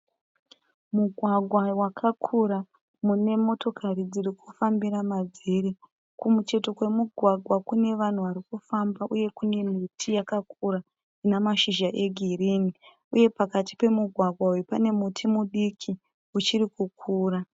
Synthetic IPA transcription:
muɡʱwaɡʱwawakʰakʰuɾa | mune̞mo̞to̞kʰarid͡ziɾikufambiɾamad͡zeɾi | kumut͡ʃe̞to̞kwe̞muɡʱwaɡʱwakune̞ʋan̤uʋaɾikufambaʔuje̞kune̞mitʰijakakuɾa | inamaʃiʒaʔe̞ɡʱiɾini | uje̞pakati̥pe̞muɡʱwaɡʱwawepane̞mutʰimuɗikʰi | ut͡ʃirikukʰuːra

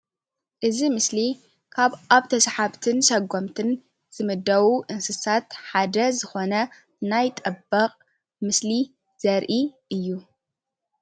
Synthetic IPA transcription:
ʔɨzimɨsli | kʰaβaβt̪ʰɐsħaβt̪ʰɨnsɐɡːomt̪ʰɨn | z̥ɨmɨd̪ːɐwuʔɨnsɨsat̪ħad̪ɐzɨxo̞nɐ | najt̪ʼɐbːɐqʼ | mɨsli | z̥ɐɾʔiʔɨjːu

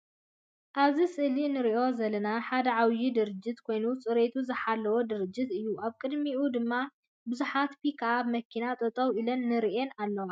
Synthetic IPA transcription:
ʔaβzisɨhlinɨɾiʔo̞zɐlɐnaħad̪ɐʕawjid̪ɨɾɨd͡ʒːɪt̪kʰo̞jnut͡sʼɨɾet̪ʰuzɨħalːɐwod̪ɨɾɨd͡ʒːɪt̪ɨjːuʔaβkʼɨd̪miʔud̪ɨmːa | bɨzuħat̪fikʰaʔamɐkʰinat̪ʼɐt̪ʼɐwilɐnːɨɾiʔenalːɐwa

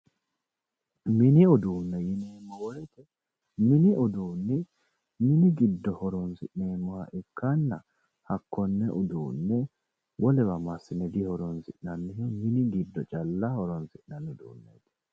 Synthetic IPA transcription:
mɪnɪɔd̪uːnːɛjɪneːmːɔwɔɾɛt̪ɛ | mɪnɪɔd̪uːnːɪ | mɪnɪɡɪd̪ːɔhɔɾɔnsɪʔneːmːɔhɐ̰ʔɛkʰːanːɐ̰ | hɐkːɔnːɛʔʊd̪uːnːɛ | wɔlɛwɐmɐsːɪnɛd̪ɪhɔɾɔnsɪʔnɐnːɪhɔmɪnɪɡɪd̪ːɔt͡ʃʼɐlːahɔɾɔnsɪʔnɐnːʊd̪uːnːɛ̰d̪ɛ̥

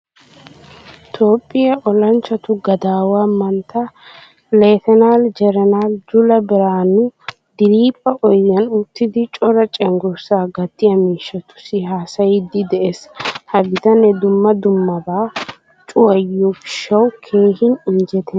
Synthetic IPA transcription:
t̪ʰo̞ːpʼːɪjɐʔɔlɐnt͡ʃːɐt̪ʊɡɐd̪aːwaːmɐnt̪ʰːɐ | le̞ːt̪ɛnaːld͡ʒɛɾɛnaːld͡ʒʊlɐbɪɾaːnʊ | d̪ɪɾiːpʼːɐʔɔjːɐnʊt̪ːɪd̪ɪt͡ʃʼɔɾɐt͡ʃʼɛŋɡʊɾsaːɡɐt̪ːɪjɐmiːʃːɐt̪ʊ̥sɪɦaːsɐjɪd̪ɪd̪ɛʔeshɐɡɪt̪ɐnɛd̪ʊmːɐd̪ʊmːɐbaː | t͡ʃʼʊwɐjufɪ̥ʃːɐwkʰe̞ːhɪnɪnd͡ʒɛt̪ʰɛ

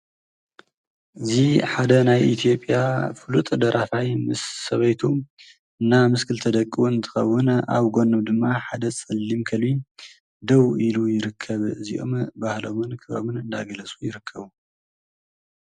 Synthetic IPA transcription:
ʔɨziħad̪ɐnajʔit̪ʰijo̞pʼːjafɨlut̪ʼɨd̪ɐɾʔafajmɨsːɐβɐjt̪ʰu | ɨnːamɨskʰɨlt̪ʰɐd̪ɐkʼːiwuɨnt̪ʰɨ̥xɐ̰wːʊna̰βɡo̞nːɨmd̪ɨmːaħad̪ɐt͡sʼɨlːimkʰɐli | d̪ɐwilujɪɾɨkʰːɐβɨziʔo̞mbahlo̞mɨnkʰɨβɾo̰mɨnɨnd̪a̰ɡɐlɐt͡sʼujɪɾɨkʰːɐβu

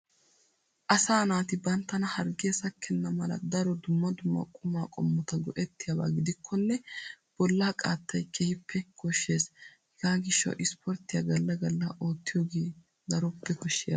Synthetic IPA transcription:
ʔɐsaːnaːt̪ɪbɐnt̪ːɐnɐhɐɾɡeːsɐkʰːɛnːɐmɐlɐ̰d̪ɐɾɔd̪ʊmːɐd̪ʊmːɐ̰kʼʊmaːkʼɔ̰mːɔt̪ɐɡɔʔɛt̪ːɪjɐba̰ːɡɪd̪ɪkʰːɔnːɛ | b̥ɔlːaːkʼaːt̪ːɐjkʰɛhɪpʰːɛkʰɔʃːe̞ːshɛɡaːɡɪʃːɐ̰wʔɪspʰɔɾt̪ːɪjɐɡɐlːɐɡɐlːɐʔo̞ːt̪ːɪjoːɡeː | d̪ɐɾɔpːɛkɔʃːɪjɐ̰

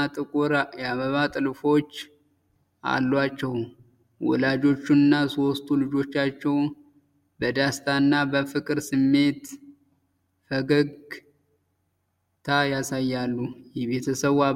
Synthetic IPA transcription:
t̪ʼɨkʼuɾjaβəβat̪ʼɨlfo̞t͡ʃː | ʔa̰lːwat͡ʃːɛw | wɔ̰lad͡ʒo̞t͡ʃːunɨnːaso̞st̪ʼulɨd͡ʒo̞t͡ʃːat͡ʃːɛw | bəd̪ast̪ʰanːabəfɨkʼɨɾsɨmːe̞t̪ | fəɡəɡ | t̪ʰajasajːalːujɛβet̪ʰəsəβa

